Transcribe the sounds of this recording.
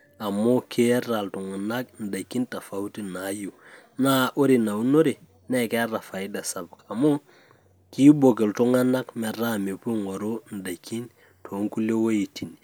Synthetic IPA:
a˨mo˦kʰe˦ɾa˨ltʊ˨ŋa˨na˦kn̩˨da˨kːi˦nta˨fa˦u˦ti˦na˨˦ju˨ | na˦ʔo˦ɾi˨na˨u˦no˦ɾi˨ | nɛ˦˨kɛ˦ra˨fa˨ɪ˦da˨sa˨b̚ka˨mo˦ | ki˦bo˨kɪ˨ltʊ˦ŋa˦na˦kmɛ˨ra˦me˨pu˦ŋɔ˨ɾo˦n̩˨da˨kːi˦n | tʰo˨˦ŋku˦le˦wo˦i˨ti˨n

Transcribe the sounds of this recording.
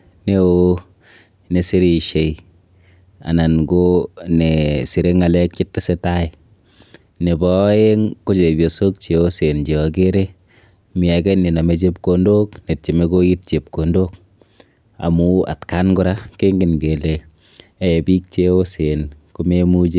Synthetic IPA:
ne˦o˦ | ne˨si˦ɾi˨ʃe˨j | a̰˨na˨nɡone˨si˨ɾe˦ŋa˨lɛ˦k̚t͡ʃɪ˦tːa˦se˦ta˦i | ne˨bɔ˦e˦ŋko˦t͡ʃe˨bjo˨so˦k̚t͡ʃe˨o˦se˨nd͡ʒe˨ɔ˨k̬e˦ɾe˦ | mi˨a˨kɛ˦ne˨na˨me˨t͡ʃe˦p̚ko˧ndo˦kne˨t̚t͡ʃe˨me˦ko˦i˦t̚t͡ʃe˨p̚ko˨ndo˦k | a̰˨mu˦a̰˨tka˦nɡʊ˦ɾa˦ke˦ŋɡɪ˨nɡe˨le˨ | e˦e˨bi˦k̚t͡ʃe˦o˦se˨nko˦me˦mu˦d͡ʒe˦

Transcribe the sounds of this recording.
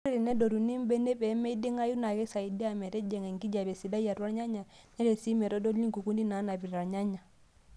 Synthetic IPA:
ɾi˦ɾi˨nɛ˦dɔ˨ɾu˨ni˦mbɛ˦nɛ˦bɛ˨˦mɛ˦i˦de˦ŋa˦ju˦na˨kɛ˦sa˨i˨di˦a˨mɛ˨ɾɛ˦d͡ʒɛ˨ŋɛ˨ŋɡi˦d͡ʒa˨bɛ˨si˨da˦ja˨ɾwa˦ɾɲa˦ɲa˨ | nɛ˦ɾɛ˨si˦mɛ˨ɾɔ˦dɔ˦ɾni˦ŋku˨ku˦ndi˦na˨˦na˨bi˨ɾa˨ɾɲa˦ɲa˨

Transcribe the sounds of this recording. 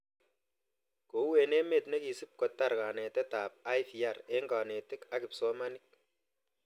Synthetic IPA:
ko˨˦we˨ne˦me˨t̚ne˦ki˨si˦p̚ko˨ta˦˨ɾka˨ne˨tɛ˦ta˨p̚a˦jfi˨a˦˨re˦ŋɡaː˨ne˨tɪ˦ka˦kɪ˨pso˦ma˦ni˦k̚

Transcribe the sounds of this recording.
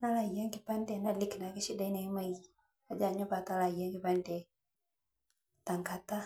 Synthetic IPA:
na˦la˨i˨ja˦ŋki˦pa˦ndɛ˨na˦˨li˦kna˨ki˦ʃi˦da˦jna˨˦ma˦i | a˨d͡ʒa˨ɲɔ˦ba˨ta˦la˨ija˦ŋki˨pa˦ndɛ˨ | ta˨ŋka˨ta˦

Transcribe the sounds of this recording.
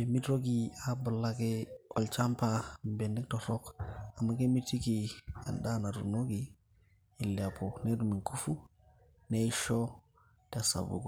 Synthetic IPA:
e˨mi˦tɾo˦ɡi˨a˨bu˨la˦ke˦o̰˨lt͡ʃa˦mpa˨m˨be˨ndi˦k̚to˨ɾo˦ka˨mːa˦ke˦mi˦ti˦ki˨a̰˨nda˦na˨ɾṵ˨no˦ɡi˨ | i˨la˨pʰo˨ne˦du˨mi˨ŋkʰu˦fu˦ | ne˦i˦ʃo˦ | ta˨sa̰˨bṵ˨ɡu˨

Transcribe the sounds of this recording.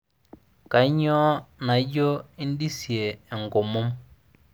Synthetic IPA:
ka˨˦ɲɔ˦na˨˦d͡ʒo˦i˦n˦di˦si˨e˨ɛ˨ŋɡo˨mo˦m

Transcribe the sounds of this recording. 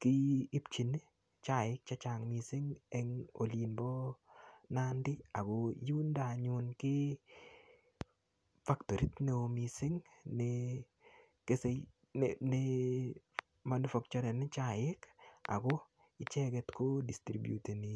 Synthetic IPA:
kɪː˦pt͡ʃi˨n | t͡ʃa˦jɪ˦k̚t͡ʃa˦t͡ʃa˨ŋmi˨sɪ˦ŋɛ˦ŋo̰˨li˨nbɔ˦ | na˦ndɪ˦a˨ɡo˧ju˦nda˨ɲʊ˨nkɪ˦ | fa˦kto˨ɾi˦t̪ne˦omi˨sɪ˦ŋne | ke˦se˨ | nɪ | ma˦nu˦fa˦k̚t͡ʃɔ˦ɾa˨n˦t͡ʃa˨jɪ˦ka̰˨ɡɔ˦ | ɪ˦t͡ʃɛ˦ɡɛ˧tko˦di˨stɾibjṵ˨te˨ni˨

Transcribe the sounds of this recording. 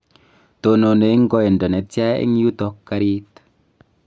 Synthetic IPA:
to˨no˨ne˨i˦ŋ˦ɡɔ˦e˨ndɔ˨ne˨tja˦ḛ˦ŋ˦ju˦t̪ɔ˦kːa˦ɾi˦t

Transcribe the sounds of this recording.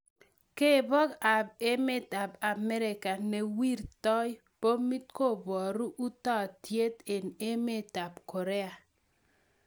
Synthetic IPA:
ke˦˨bɔ˦ka˨b̚e˦me˦ta˨ba˨mɛ˦ɾɪ˨ka˨nɛ˨wi˦ɾtɔ˦j | po˦mi˦tko˦˨bɔ˨ɾu˦ʔu˦tɔ˦˨tje˦t̪e˨ne˦me˦ta˨bko˨ɾe˦a˨

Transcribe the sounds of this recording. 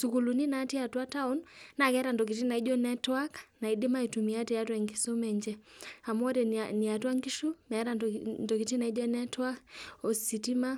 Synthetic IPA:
su˨ku˨lu˨ni˦na˨˦ti˦a˨twa˦ta˦u˦nna˨kɛ˦ɾa˨ndɔ˨k̬i˨ti˦na˨i˦d͡ʒɔ˦nɛ˦twa˦kna˨i˦dɪ˦ma˦i˨tu˨mi˨a˦ti˨a˦twɛ˨ŋɡi˦so˦mɛ˨ɲd͡ʒɛ˦a˨mɔ˦ɾɛ˨ni˨a˨twa˦ŋɡi˦ʃu˦mɛ˨˦ɾa˨ndɔ˨ki˨ti˦na˨i˦d͡ʒɔ˦nɛ˦twa˦kɔ˨si˨ti˦ma˦

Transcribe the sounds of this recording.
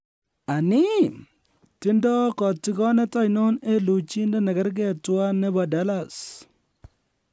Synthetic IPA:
a˨nɪ˦ | tɪ˦ndɔ˦kɔ˨tɪ˦kɔ˦nɛ˦ta˦jno˦ne˦lu˨t͡ʃi˦ndɛ˦nɛ˨ɡɛ˦ɾɡɛ˦twa˦nːɛ˦ba˨da˦la˨s

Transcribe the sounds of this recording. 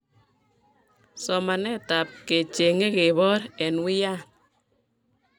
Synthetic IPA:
sɔ˨ma˨ne˦˨ta˨p̚ke˨t͡ʃe˨ŋe˦ke˨βɔ˦ɾe˨nwi˦ja˦˨

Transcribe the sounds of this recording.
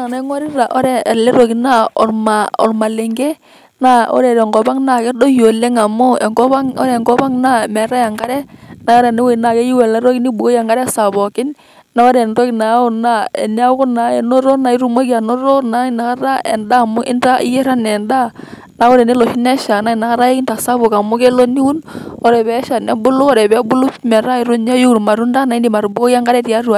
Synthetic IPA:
a˨na˦ŋwa˦ɾɪ˦a˨ʔɔ˦ɾɛ˦ɛ˨lɛ˦ɾo˨ki˨na˦ɔ̰˨rma˨ɔ̰˨rma˨le˨ŋɡe˦ | na˦ɔ̰˦ɾɛ˨ɾɛ˨ŋɡɔ˨ba˦ŋna˨kɛ˦do˦jo˨le˦ŋa˨mʊ˦ɛ˨ŋɡɔ˦βa˦ŋɔ̰˦ɾɛ˦˨ŋɡɔ˦pa˦ŋna˦˨mɛ˨ɾa˦ja˨ŋɡa˦ɾɛ˦na˨ɔ˦ɾɛ˨ne˦we˦˨na˨kɛ˦ji˦wɛ˨lɛ˦ɾɔ˦ki˦ni˦bu˨ɡo˦ja˨ŋɡa˦ɾɛ˦sa˨bɔ˨kɪ˦n | na˨ɔ˦ɾɛ˨ndɔ˦kina˨˦o˨na˦ɛ̰˨n˦a˦kʊ˦na˨ɛ˨no˦ɾo˦na˨i˦ɾu˦mo˦ki˦a˨no˦ɾo˦na˦na˨ka˦ɾa˦ɛ̰˨nda˦˨mʊ˦ʔɪ̰˦nta˦i˦je˦ɾa˦nɛ˨nda˦ | na˨˦ɔ˦ɾɛ˨ne˦lo˨ʃi˦nɛ˦ʃa˨na˦˨na˨ka˦ɾa˦ɪ˦ki˦nta˨sa˦bo˨ka˨mʊ˦ke˦lo˦ni˦u˦nɔ˨ɾɛ˨bɛ˨˦ʃa˨nɛ˦bʊ˦lʊ˦kɔ˦˨ɾɛ˨bɛ˨˦bʊ˦lʊ˦pmɛ˨ɾa˦ɪ˨ɾʊ˦n˦a˦ju˦˨ɾma˨ɾu˦nda˦na˨i˦ndi˨ma˨ɾu˨bu˦ko˦ja˦ŋɡa˦ɾɛ˦ti˨a˦ɾu˨a˨

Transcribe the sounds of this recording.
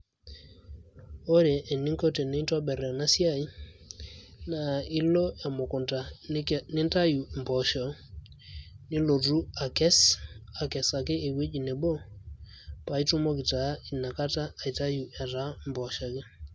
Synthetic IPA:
o˦ɾɛ˨ʔːni˦ŋkɔ˦tɛ˨nɛ˨˦twa˦bɛ˨ɾɛ˨na˦sja˦˨i˦ | na˨i˦lɔ˦a˨mo˨kɔ˨nta˨nɪ˦nta˦ju˨mbɔ˨ʃɔ˨ | nɪ˦lo˨ru˦a˨kɛ˦sa˨kɛ˨sa˨kɪ˦e˨we˦d͡ʒi˨nɛ˨bɔ˦ | pa˨i˦tʊ˦mɔ˦kɪ˨ta˨˦i˨na˨ka˦taː˦˨i˨ta˦ju˨ʔɛ˨ɾa˨˦mbɔ˨ʃa˨kɛ˦

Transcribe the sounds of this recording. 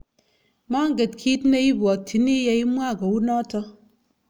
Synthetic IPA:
ma˦ŋ˦ɡe˨tkʰi˦tne˦i˦ɡɔ˨tːi˨ni˦je˦i˦mwa˦˨ɡɔ˨wu˦nɔ˦tɔ˦

